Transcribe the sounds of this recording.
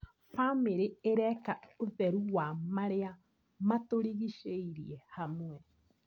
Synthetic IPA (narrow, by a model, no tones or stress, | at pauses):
fameɾeeɾɛkaoðɛɾuɣwamaɾea | matoɾiɣiʃeiɾiɛhamwɛ